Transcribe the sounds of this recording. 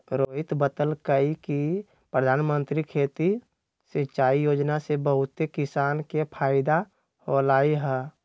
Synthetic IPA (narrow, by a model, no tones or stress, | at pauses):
ɾoːɦɪt̪bət̪əlkəiki | pɾəd̪ʱaːnmənt̪ɾikʰeːt̪i | set͡ʃaːijoːd͡ʒnasebəɦʊt̪ekɪsaːnkepʰaːɪd̪a | hoːlaːiɦɛː